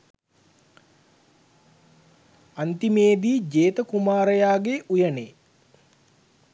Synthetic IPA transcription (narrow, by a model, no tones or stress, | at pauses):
ant̪imeːd̪iːd͡ʒeːt̪əkumaːɾəjaːɡeʔujəne